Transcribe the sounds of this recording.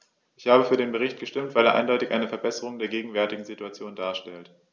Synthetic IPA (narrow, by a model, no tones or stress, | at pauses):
ʔɪçhaːbəfyːɐɾeːnbəʁ̞ɪçt̚ɡ̥əʃtɪmtv̥aɪleɐʔa̰ɪndɔʏtɪçʔa̰ɪnəfɛɐbɛsəʁ̞ʊŋdeːɐɡeːɡŋ̩vɛɐtɪɡŋ̩zituat͡sjoːndaːɐʃtɛlt